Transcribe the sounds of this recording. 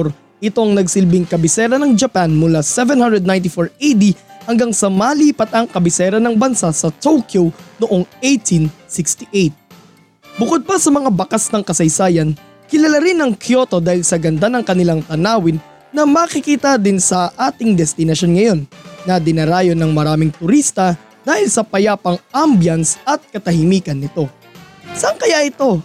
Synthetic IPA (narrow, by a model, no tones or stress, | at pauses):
ɾ | ʔɪt̪o̞ŋnɐɡsɪlbɪŋkɐbɪsɛɾɐnɐŋd͡ʒɐpanmʊlasɛvɛnhɐnd̪ɾɛd̪naj̃nt̪̬ɪfoɹejd̪ihɐŋɡaŋsɐmaliːpɐt̪̚ɐŋkɐbɪsɛɾɐnɐŋbɐnsasɐt̪owkjonoʔo̞ŋʔejt̪ʰinsɪkst̪iʔejt̪̚ | bʊkod̪̚bɐsɐmɐŋabɐkasnɐŋkɐsɐjsaːjɐn | kɪlɐlaɾɪnɐŋkʰjo̞t̪o̞d̪aːhɪlsɐɡɐnd̪anɐŋkɐnɪlaŋt̪ɐnaːwɪnː | ɐmɐkɪkiːt̪ɐd̪ɪnsɐʔaːt̪ɪŋd̪ɛst̪ɪnɐʃo̞nŋɐjo̞nːɐd̪ɪnɐɾaːjo̞nɐŋmɐɾaːmɪŋt̪ʊɾist̪ɐ | d̪aːhɪlsɐpɐjaːpɐŋʔambjɐnsɐt̪̚kɐt̪ɐhɪmiːkɐnːɪt̪o̞ | sɐŋkɐjaʔɪt̪o̞